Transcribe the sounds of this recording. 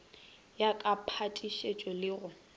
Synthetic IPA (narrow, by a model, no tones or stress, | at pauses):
jakʼapʰatʼiʃet͡ʃʼelɪɣʊ